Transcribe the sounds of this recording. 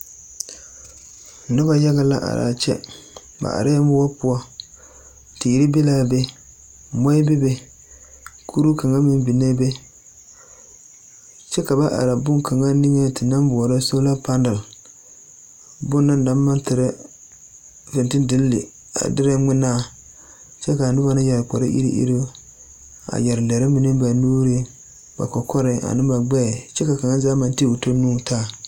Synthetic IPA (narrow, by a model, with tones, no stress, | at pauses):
nɨ˦ba˦ja˦ɣa˦la̰˦ʔa̰˨ɾa̰ː˨t͡ʃɛ̰˦ | ba̰˨a̰˨ɾa˦jmbʊ˦a˦pʊ˦ɔ˦ | ti˨ɾi˦be˦laː˦be˦ | mɔ˦ɪ˦be˦be˦ | kʰu˦ɾu˦ka˨ŋa˦mɪ˦mbi˨ne˦be˦ | t͡ʃɛ˦ka˨ba˦ʔa̰˨ɾa˨bʊ˦ŋka˨ŋa˦ni˦ŋe˦tɪ˨na˦mbʊ˨ɔ˨ɾa˦so˦la˦pa˦n˦dɨ˨l | bʊ˦nː˦a˦n˦da˦ma˦ntɪ˨ɾɛ˦ | fɪ˨ntɪ˦ndɪ˦lːɪ̰˨ | a̰˨dɪ˦ɾa˦ŋɪ˦naː˦˨ | t͡ʃɛ˦ka˨nɪ˦ba˦na˦jɛ˨ɾk͡pɔ˨ɾɪ̰˦ʔḭ˦ɾḭ˦ʔḭ˦ɾi˦ | a̰˨jɛ˨ɾɨ˨lɛ˨ɾɪ˦mi˨nɨ˦ba˨nuː˦ɾi˦ | ba̰˨kɔ˨kʰɔ˦ɾɪ˦a̰˨nɨ˦mba˨ɡ͡bɛ˦˨t͡ʃɛ˦ka˨ka˨ŋa˦zaː˦ma˨nti˦˨u˨to˦nuː˦taː˦˨